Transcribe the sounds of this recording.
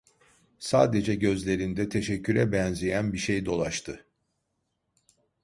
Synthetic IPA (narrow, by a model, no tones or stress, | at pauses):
saːd̪e̞d͡ʒɛɟø̞zlʲe̞ɾind̪ɛt̪ʰeʃɛcʰːyɾɛbɛnzijænbiʃejd̪o̞lˠaʃt̪ʰɯ